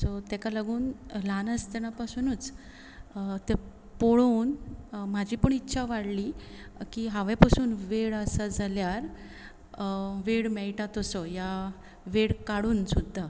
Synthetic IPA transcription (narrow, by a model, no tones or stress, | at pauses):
sɔt̪ɛkalaɡuːnlanəst̪ɛñapasuːnuːt͡s | t̪ɛ | poɭoːnmad͡ʑʱiːpəɳitːɕʰaʋaɽlikiːɦaʋepəsuːnʋeɽəsad͡zaljaɾ | ʋeɽmɛɭʈat̪ɔsɔja | ʋeɽkaɽuːnsud̪ʱːa